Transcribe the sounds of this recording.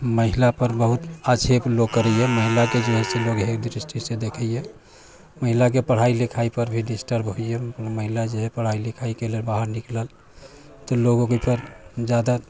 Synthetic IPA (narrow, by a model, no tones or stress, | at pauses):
məɦilapəɾbəɦut̪at͡ʃʰeploɡkːəɾəjeməɦilaked͡ʒeɦeseloɡɦekd̪ɾisʈʰisẽd̪ekʰəjje | məɦilak̬epəɽ̤ailikʰaipəɾbʱiɖisʈəɾbɦoijeməɦilad͡ʒeɦepəɽ̤ailikʰaikelelbaɦəɾnikləl | t̪ɔloɡoɡipəɾd͡ʒjad̪a